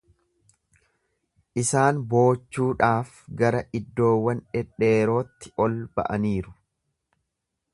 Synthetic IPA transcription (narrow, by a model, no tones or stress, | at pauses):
ʔɪsaːnbo̞ːt͡ʃːuːᶑaːf | ɡɐɾɐʔɪd̪ːo̞ːwːɐnᶑɛᶑe̞ːɾo̞ːt̪ːɪɔlbɐ̰ʔɐniːɾʊ̥